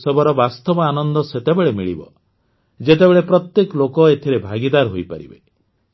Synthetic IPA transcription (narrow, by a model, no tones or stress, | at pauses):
sɔbɔɾɔbast̪ɔbɔanɔnd̪ɔset̪ebeɭemiɭḭbɔ | d͡ʒet̪ebeɭepɾɔt̪jekɔlokɔet̪ʰiɾebʱaɡid̪aɾɦojpaɾḭbe